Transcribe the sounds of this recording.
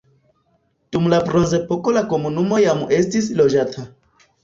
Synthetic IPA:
d̥umlabɾo̞nze̞po̞ko̞lako̞munumo̞jame̞stislo̞d͡ʒatʰa

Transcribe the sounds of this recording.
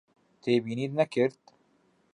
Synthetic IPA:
t̪ʰeːbiːniːd̪nɛkɨɾt̪

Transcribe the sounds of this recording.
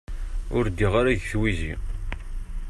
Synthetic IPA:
ʊɾd̪ːiʁaɾæʝθwizḭ

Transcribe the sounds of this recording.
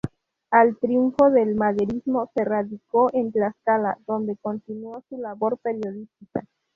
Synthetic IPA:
alt̪ɾjuɱfo̞ðelmaðeɾizmose̞raðikoʔent̪laskala̰ðo̞nd̪e̞ko̞nt̪inuosulaβoɾpeɾjo̞ðist̪ika

